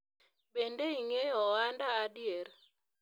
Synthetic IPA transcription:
bendeiŋejɔwandaːdjeɾ

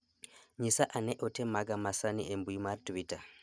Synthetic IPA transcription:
ɲisaʔaneʔotemaɡamasaniʔembuimaɾtuwita

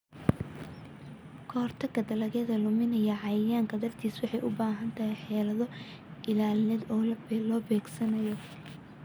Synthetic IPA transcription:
kʰɔːrt̪ʰɐkʰɐd̪ɐlɐɣɛðɐlʊmɪnɐjɐʕɑjɪjaːŋkʰɐd̪ɐrt̪ʰiːswɑħɑjʔʊbaːɦɐnt̪ʰɐɦɛjħɛːlɐðɔ | ʔɪlaːlɪnɛːd̪ɔːllɔːbɛːɡsɐnɐjɔ

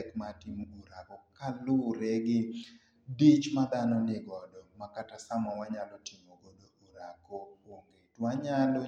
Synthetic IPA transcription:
ɛkmatɪmuɾakɔkalʊɾɛɡɪ | dit͡ʃmad̪anɔnɪɡɔdɔmakatasamɔwaɲalɔtɪmoɡodoʔuɾakowoŋɡetwaɲalo

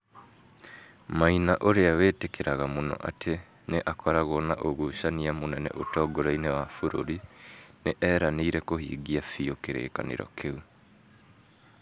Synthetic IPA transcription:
mainaʔoɾeaweːtekeɾaɣamonɔ̰ʔatʰe | neʔakʰɔɾaɣonaʔoɣuʃaniamonɛnɛ̰ʔotɔːɡoɾainɛwafoɾo̰ɾineʔɛɾaneiɾɛkohḭːɡiafiokeɾḛːka̰nḛɾɔ̰kʰeu

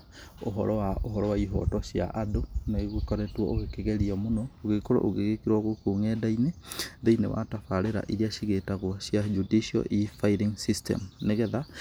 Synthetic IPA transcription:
o̰ɦɔ̰ɾɔwaoɦɔɾɔwaiɦɔ̰tɔʃja̰ʔadonaɣeɣwekɔɾɛtwɔoɣekeɣeɾiɔmonɔoɣekoɾo̰ʔoɣeɣekiɾwaɣokuŋɛdaineðeinḛwa̰tafaɾeɾa̰ʔiɾiaʃiɣetaɣwɔɕjad͡ʒudiʃiɔ̰ʔifaiɾiŋsistɛ̰mneɣɛða

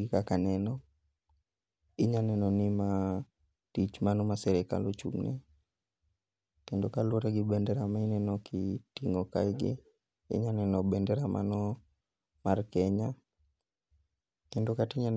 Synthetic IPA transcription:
ɪkakanɛnɔ | iɲanɛnɔnima | tit͡ʃmanɔmasɛɾɛka̰lot͡ʃṵmnɛ̰ | kɛndokalɔɾɛɡɪbɛndɛɾamainɛnɔkʰḭtiŋɔka̰iɡɪ̰ | ḭɲanɛnɔbɛndɛɾamʔa̰nɔ | markɛɲa | kɛndokatiɲan

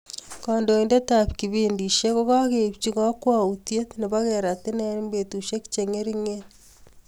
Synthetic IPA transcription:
kondoindetapkiβindiʃjekokakept͡ʃiɣakwautjetneβaɣeɾatenembetuʃeki̥t͡ʃeŋeɾiŋen

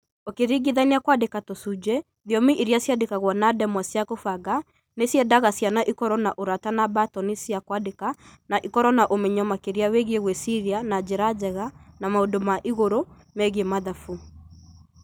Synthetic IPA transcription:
okeɾiɡiðaineakwadekatosud͡ʒɛ | ðiɔmiʔiɾjasjadekaɣwɔnadɛmwasjakofaɡa | nesjɛdaɣasjanaʔikɔɾɔnaʔoɾatanabatɔnesjakwadekanaʔikɔɾɔnaʔomɛɲɔmakeɾiaweɣieɣwɛsiɾianad͡ʑeɾad͡ʒɛɣanamaodomaʔiɣoɾo | mɛɣemaðafu

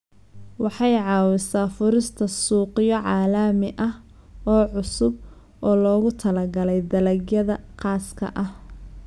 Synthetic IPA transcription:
wɑħɑjʕɑːwɪsaːfʊɾɪst̪ʰɐsuːqɪjɔʕɑːlɐːmɪʔɐh | ɔːʕʊsʊb̚ | ʔɔːlɔːɣʊt̪ʰɐlɐɡɐlɛjd̪ɐlɐɡjɐðɐqɑːskʰɐ̰ʔɐh

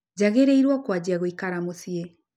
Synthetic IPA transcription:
d͡ʑaɣeɾeiɾwakwad͡ʑiaɣoikaɾamosie

